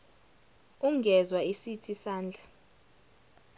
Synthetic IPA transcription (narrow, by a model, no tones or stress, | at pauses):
uŋɡʱɛzwaisitʰisaːnd͡ɮʱa